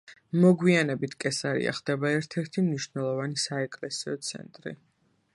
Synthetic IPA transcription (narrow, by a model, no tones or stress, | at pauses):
mɔɡwianɛbit̪ʰkʼɛsaɾḭa̰χd̪̥ɛbaɛɾt̪ʰɛɾt̪ʰimniʃnɛlˠɔvanisaɛkʼlɛsiɔt̪sʰɛ̰nt̪ʼɾḭ